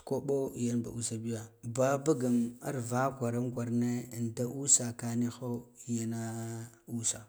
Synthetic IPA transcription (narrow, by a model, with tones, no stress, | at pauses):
ko˦ɓo˦˨ja˦nba̰˨ʔu˦sa˦bi˦ja˨ba˦ba˦ɡa˨ma̰˦ɾva˦kʷa˨ɾa˦mɡʷa˨ɾne˦˨n˨da˦ʔu˦sa˨ka˨ni˦xo˦i˨ja˦na˦ | u˦sa˨